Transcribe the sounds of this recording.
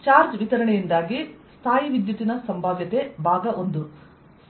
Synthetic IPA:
t͡ʃaːɾd͡ʒʋit̪ɐɾɐɳejind̪aːɡist̪ʰaːjiʋid̪jut̪inɐsɐmbʱaːʋjɐt̪e̞bʱaːɡɐʔond̪u

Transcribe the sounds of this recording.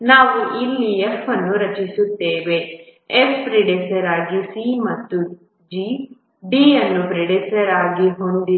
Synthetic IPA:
naːʋuʔilːiefɐnːuɾɐt͡ʃisut̪ːeːʋe̞efpɾeɖisɐɾaːɡisimɐt̪ːu | d͡ʒi | ɖiːjɐnːupɾeɖisɐɾaːɡiɦond̪i

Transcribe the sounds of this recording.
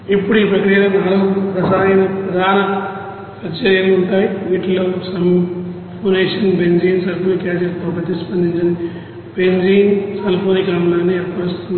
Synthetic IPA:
ipːuɽuiːpɾɐkɾijɐlɐnaːloːpɾɐsaːɐjnɐpɾɐd̪ʱaːnɐ | sɐt͡ʃɐɾjɐluuɳʈaːjiʋiːʈloːsɐm | pʰoːneːʂɐnbend͡ʒiːnsɐlponikaːsɐpoːbɐt̪ːispɐnd̪ʱiɲt͡ʃɐni | beɲd͡ʒiːnsɐlpʰoːnikaːmlaːnːiɐpɐɐst̪unː

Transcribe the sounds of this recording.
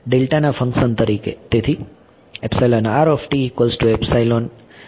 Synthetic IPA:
ɖelʈanafə̃ŋkʃənt̪əɾikḛt̪et̪ʰi | epsajlonaɾɔfʈiːkolsʈuepsajlon

